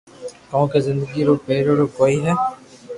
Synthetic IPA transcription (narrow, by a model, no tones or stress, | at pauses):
kɔ̃ːkezɪ̃nd̪əɡiɾoːpeːɾoɾokoːiɦɛː